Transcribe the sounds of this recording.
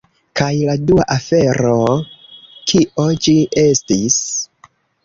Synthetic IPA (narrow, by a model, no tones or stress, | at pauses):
kajladuaʔafe̞ɾo̞ | kʰiʔo̞d͡ʒiʔe̞stis